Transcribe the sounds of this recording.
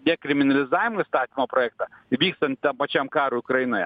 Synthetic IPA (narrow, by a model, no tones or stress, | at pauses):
d̪ɛkɾʲɪmʲiɪnɐlʲɪzajɪmɪst̪ɑt̪ʲimɔpɾɔɛk̚t̪ɐbʲikst̪ɐnʲt̪ɐmpɐt͡ʃʲamkɑɾʊjʊkɾɐjinɐj